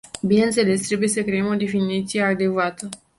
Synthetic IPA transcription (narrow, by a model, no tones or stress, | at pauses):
bineɨnt̪se̞le̞st̪ɾe̞buje̞səkɾe̞emo̞d̪e̞finit̪sije̞ad̪e̞kvat̪ə